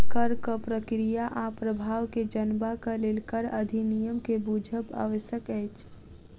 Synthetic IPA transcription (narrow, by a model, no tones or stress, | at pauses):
kəɾkəpɾəkɾijaʔapɾəbʱaːʋked͡ʒənbakəleːlkəɾəd̪ʱinijəmkebuːd͡ʒʱəba̰ːʋəʃjəkɛjt͡ʃ